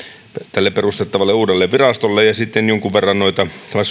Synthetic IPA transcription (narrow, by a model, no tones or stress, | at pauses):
t̪ælːepperust̪et̪ːɑʋɑlːeuːdelːeʋʋirɑst̪olːejɑsit̪ːenjoŋkuʋʋerːɑnnoit̪ɑselːˑɑs